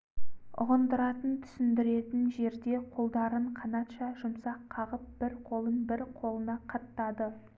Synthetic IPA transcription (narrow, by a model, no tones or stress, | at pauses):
ʊ̰ʁənd̪əɾɑt̪ənt̪ʰʏ̥sɪnd̪ɪɾe̞t̪ɪnʒe̞ɾd̪e̞qʰo̞lˠd̪ɑɾəɴqʰɑnɑt̪ʃɑʒʊmsɑqqʰːɑʁəp̚b̥ɪɾqʰo̞lˠənbɪɾqʰo̞lˠənɑqʰɑt̪ːɑd̪ə